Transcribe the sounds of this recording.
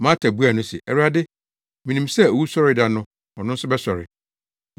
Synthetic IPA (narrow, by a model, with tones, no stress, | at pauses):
mãː˦tʰa˨bu˦a˨nʊ̃˦sɛ̰˨ʔɛ˨ɾu˦a˦dɪ˦ | mĩ˨nĩ˨msɛ˦o˨wu˦sɔ˦ɾɪ˨˦da˨nʊ̃˦ | ɔ̃˨nʊ̃˦n̩˦sʊ˦bɛ˦sɔ˨ɾɪ̰˨